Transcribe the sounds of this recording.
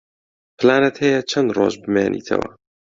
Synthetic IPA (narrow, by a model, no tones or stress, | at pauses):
pʰɨlaːnɐt̪hɛjɛt͡ʃʰɐnd̪ro̰ːʒbɨmeːnʔḭːt̪ʰɐ̰wɐ̰